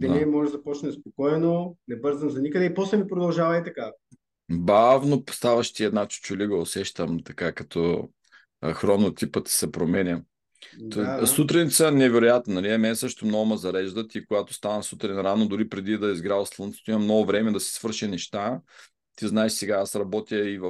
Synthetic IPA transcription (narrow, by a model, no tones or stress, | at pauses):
d̪ɛɛimɔʒʒzɐpɔt͡ʃnɛspokɔjnonɛbɤɾzənzɐnikəd̪ɛipɔsɛmipɾod̪ɐlˠʒavɐit̪ɐka | bavnopst̪avɐʃt̪iɛd̪nat͡ʃu̥t͡ʃʊliɡəosɛʃt̪əmt̪ɐkakɐt̪ʰɔ | xɾonot̪ipət̪i̥sɛpɾomɛnʲə | t̪sut̪ɾinʲit̪sənɛvɛɾojat̪nonɐliɛmɛnɛsɤʃt̪omnɔɡʊmɐzɐɾɛʒd̪ət̪ikoɡat̪o̥st̪anɐsut̪ɾinɾanod̪ʊɾipɾɛd̪id̪ɐizɡɾavɐslˠənt̪sɛ̥t̪oimɐmnɔɡʊvɾɛmɛd̪ɐsi̥svɤɾʃɛnɛʃt̪a | t̪iznaɛʃsɛɡaasɾɐbɔt̪iəivɐ